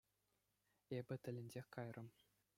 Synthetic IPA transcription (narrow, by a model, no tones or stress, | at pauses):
ebʲɘ̆t̪ʲɘ̆lʲɘ̆nʲd͡ʑʲexʲkɑjrɤ̆m